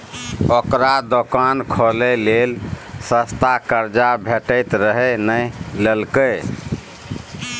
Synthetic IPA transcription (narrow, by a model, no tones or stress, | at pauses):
okɾad̪okankʰɔlelelsəst̪akəɾd͡ʒabʱeʈəɪt̪ɾəɦɛnəjlelkə